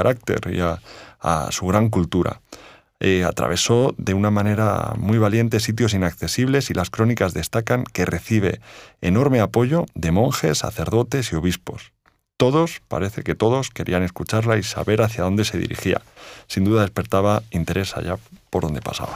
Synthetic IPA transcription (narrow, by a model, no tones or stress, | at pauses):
aɾak̚t̪e̞̰ɾḭaa̰suɣɾaŋk̬ult̪uɾa̰ | ea̰t̪ɾa̰β̞e̞so̞ðe̞unamãne̞ɾa̰mwijβ̞alje̞nt̪e̞sit̪̬jo̞sinakθe̞siβ̞le̞silʔaskɾo̞nikazðe̞st̪akaŋke̞re̞θiβ̞e̞̰ːno̞ɾme̞apo̞ʝo̞ðe̞mõ̞ŋxe̞sːa̰θe̞ɾð̞o̞t̪e̞sio̞βispo̞̰s | t̪o̞ðo̞spa̰ɾe̞θe̞ke̞t̪o̞ðo̞ske̞ɾʔḭane̞skut͡ʃaɾlaisa̰βe̞ɾaθjaðo̞nd̪e̞se̞ðḭɾḭxia̰sind̪uðaðe̞spe̞ɾt̪aβaint̪e̞ɾe̞sa̰ʝapo̞ɾðond̪e̞pasa̰βa